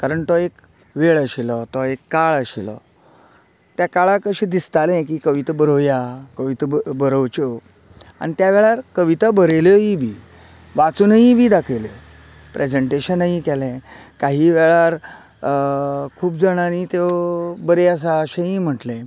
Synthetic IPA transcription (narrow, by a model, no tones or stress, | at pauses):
kaɾəɳt̪ɔek | ʋeɭəɕilɔt̪ɔekːaɭəɕilɔ̰ | t̪jakaɭakəɕiːd̪ist̪alɛ̃k̬iːkəʋit̪əbəɾəjakəʋit̪əbəɾəwt͡ɕo | a̰ñit̪jaʋɛɭaɾkəʋit̪abəɾeljɔɦibiː | ʋat͡suːnɦĩʋiːd̪akʰeljo | pɾʔed͡zəɳʈeɕənːəɦĩkɛlɛ̃kaɦiːʋɛɭaɾ | kʰuːpd͡zəɽ̃anit̪ebəɾeəs̬aəɕẽɦĩːm̤əʈlẽ